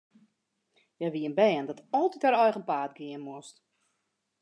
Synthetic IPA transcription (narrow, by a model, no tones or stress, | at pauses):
jaʋiənbɛːndɔtɔlˠtitɛɾɔjxənpaːtɡɪənmost